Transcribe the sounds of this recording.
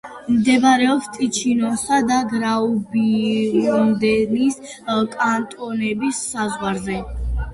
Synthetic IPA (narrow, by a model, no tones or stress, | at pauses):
md̪ɛbaɾɛɔst̪ʼit͡ʃʰinɔsad̪aɡɾaubiɔmd̪ɛnis | kʼant̪ʼɔnɛbisːazʁwaɾzɛ